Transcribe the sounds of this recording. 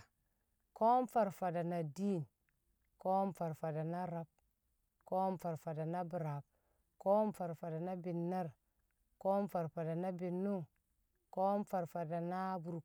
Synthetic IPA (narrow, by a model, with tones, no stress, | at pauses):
ko˦mfa˨ɾfa˨da˨na˨di˦n | ko˦mfa˨ɾfa˨da˨na˦ɾa˦b̚ | ko˦mfa˨ɾfa˨da˨na˦bi˨ɾa˨b̚ | ko˦mfa˨ɾfa˨da˨na˦bi˨nːa˦ɾ | ko˦mfa˨ɾfa˨da˨na˦bi˨nːu˦ŋ | ko˦mfa˨ɾfa˨da˨na˦bu˨ɾu˨